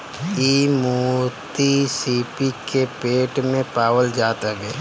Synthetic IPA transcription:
iːmuːɾt̪isiːpikepeːʈmẽpaːwəld͡ʒaːt̪ɐɡeː

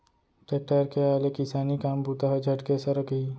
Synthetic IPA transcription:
ʈeʈaɾkeaːlekɪsaːnikaːmbut̪aɦɐd͡ʒʱɐʈkesɐɾəkɦiː

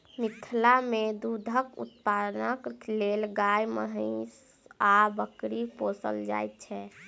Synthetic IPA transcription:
mit̪ʰlamed̪ud̪ʱəkṵt̪pad̪nəklelɡajməɦəɪs | abəkɾiposə̰ld͡ʒa̰jt̪̚t͡ʃʰɛ

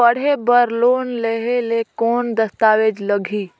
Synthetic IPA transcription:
əɽ̤ebəɾloːnleɦelekɔːnd̪əst̪aːʋeːd͡ʒləɡʱiː

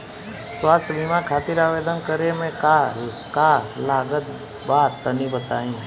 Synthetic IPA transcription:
swaːst̪ʰbʱimakʰaːt̪iɾaːʋeːd̪ənkəɾemẽka | kalaːɡət̪̚ | baːt̪ːənibət̪aːĩː

